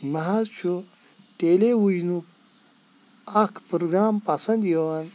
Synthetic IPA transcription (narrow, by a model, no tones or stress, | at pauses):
mɐɦazt͡ʃʰu | ʈeːlewud͡ʒnuk | ɐkʰpɾoɡɾaːmpɐsɐnd̪jeʋɐn